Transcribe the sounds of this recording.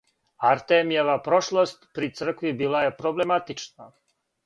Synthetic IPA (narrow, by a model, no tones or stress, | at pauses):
aɾt̪emijeʋapɾoʃlˠost̪pɾit̪sr̩kʋibiːlˠaje̞pɾoblemat̪it͡ʃna